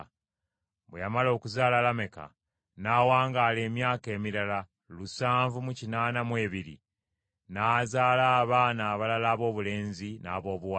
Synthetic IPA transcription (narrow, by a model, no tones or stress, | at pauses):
βwejamalo̞ːkuzaːlalame̞ka̰ | naːwaːŋɡaːle̞ːmjaːke̞ːmiɾala | lusaːɱvumucinaːnamwe̞ːβiɾḭ | naːzaːlaːβaːnaːβalalaːβo̞ːβule̞ːnzina̰ːβo̞ːβua